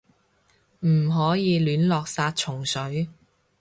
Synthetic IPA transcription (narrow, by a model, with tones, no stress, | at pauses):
m̩˨˩ɦɔː˨˥jiː˨˧lyː˨˥nlɔː˨k̚saː˧t̚t͡ʃʰʊ˨˩ŋsɵ˨˥ɥ